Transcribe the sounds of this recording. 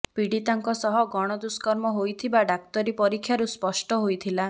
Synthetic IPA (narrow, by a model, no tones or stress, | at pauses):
piɽit̪aŋkɔsɔɦɔɡɔɽ̃ɔd̪uskɔɾmɔɦojt̪ʰibaɖak̚t̪ɔɾipɔɾikʰːjaɾuspɔsʈɔɦojt̪ʰila